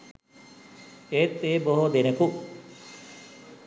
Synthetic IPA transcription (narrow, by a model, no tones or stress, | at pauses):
eːt̪ːeːboɦod̪eneku